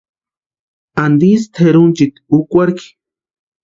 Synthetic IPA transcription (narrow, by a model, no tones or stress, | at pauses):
and̪ist̪ʰeɾunt͡ʃit̪ukʷaɾki̥